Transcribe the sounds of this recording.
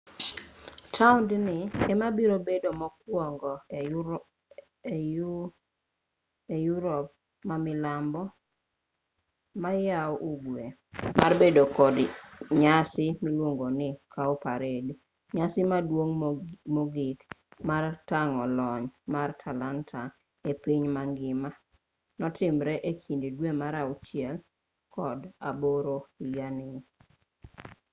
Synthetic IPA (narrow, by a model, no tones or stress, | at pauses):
tʰaʊndnɪɛmabiɾobedomɔk̚wɔŋɡɔ | ejuɾɔp̚ | mamɪlambɔ | majawʔuɡwe | marbedokɔdɲasɪmilwoŋɡonɪkʰaɔpaɾed | ɲasɪmadwoŋmoɡikmartaŋɔlɔɲmartʰalantʰa | epiɲmaŋɡɪma | nɔtɪmɾɛʔekʰindidwemaɾaut͡ʃɪɛl | kɔdaboɾoijanɪ